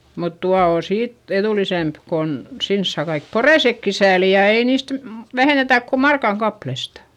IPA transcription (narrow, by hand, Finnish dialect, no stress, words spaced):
mut tuɑ oː siːt eðuˑlisemp kon sins sɑː kɑik poreˑsekːi sæːli jɑ ei niːst m ʋæheˑnetæˑk ko mɑrkɑŋ kɑplestɑ